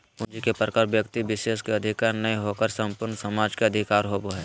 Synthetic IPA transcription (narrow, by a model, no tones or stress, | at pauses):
ʊ̃nd͡ʒikepɾəkaɾʋjəkt̪iʋɪʃeːʃkeɐd̪ʱɪkaːɾnɐiɦokəɾsɐ̃mpʊɾnsɐmaːd͡ʒkeɐd̪ʱɪkaːɾɦoboɦɛː